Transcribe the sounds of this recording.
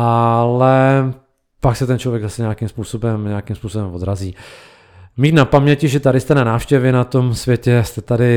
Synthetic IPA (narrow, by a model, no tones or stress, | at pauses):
ʔalɛ | paksɛt̪ɛnt͡ʃlovjɛɡzasɛɲɛakimspuːsobɛmɲɛakimspuːsobɛmvod̪ɾaziː | miːt̪napamɲɛcɪʒɛt̪adɪst̪ɛnanaːfʃcɛvɛnat̪omsvjɛcɛst̪ɛt̪adɪ